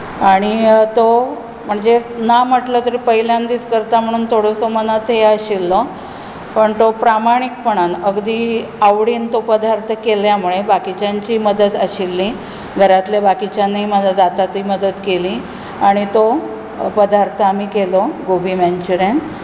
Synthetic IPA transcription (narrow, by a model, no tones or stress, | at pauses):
aɽ̃it̪o | m̤əɳd͡zenam̤əʈlət̪əɾipəɦiljand̪iːt͡skəɾt̪am̤əɽ̃uːnt̪ʰoɽəsomənat̪eəɕilːə | pəɳt̪opɾamaɽ̃ik̚pəɳanəɡd̪iːaʋɽiːnt̪opəd̪aɾt̪ʰəkeljamuɭebakit͡ɕaɲt͡ɕiːməd̪ət̪əɕilːĩ | ɡʱəɾat̪lebakit͡ɕjaniməad͡zat̪at̪iməd̪ət̪kelĩ | aɽ̃it̪o | pəd̪aɾt̪ʰəamiːkeloɡobʱimaɲt͡ɕuɾen